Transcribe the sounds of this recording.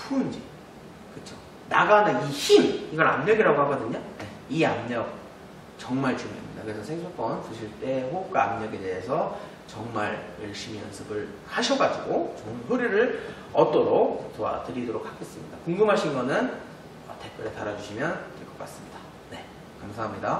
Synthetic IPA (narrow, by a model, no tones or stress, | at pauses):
pʰuːnd͡ʑi | kɯt͡ɕʰo | naɡaneiɕimiɡʌɾamɲʌɡiɾaɡoɦaɡʌdɯɲone | iamɲʌk̚ | t͡ɕʌŋmaɭt͡ɕuŋjʌ̰mɲidakɯɾesʰʌsʰeŋsʰok͈ʌnt͡ɕuɕʰiɭt͈e̞ɸok̚k͈waamɲʌɡede̞ːsʰʌ | t͡ɕʌŋmaɭjʌɭɕ͈imijʌnsʰɯbɯɭ | haɕʰʌɡad͡ʑiɡot͡ɕomsuɾiɾɯɭ | ʌt͈oɾok̚t͡ɕowa̰tɯɾidoɾok͈ʰːak͈es͈ɯmɲidakoŋɡɯmɦaɕʰinɡʌnɯn | ʌte̞k̚k͈ʌɾetaɾad͡ʑuɕʰimjʌniɭk͈ʌk͈as͈ɯmɲid̥ḁ | ne̞ | kamsʰaɦamɲida